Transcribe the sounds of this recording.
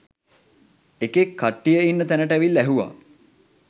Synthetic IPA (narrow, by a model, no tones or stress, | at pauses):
ekekʰːaʈːijəinːət̪ænəʈəæʋilːæɦuʋa̰